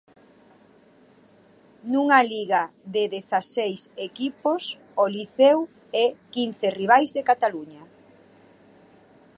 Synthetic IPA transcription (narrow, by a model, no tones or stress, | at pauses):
nuŋaliɣaðeðeθasejsekipos | oliθew | ɛkin̟θeriβ̞ajzðekat̪aluɲɐ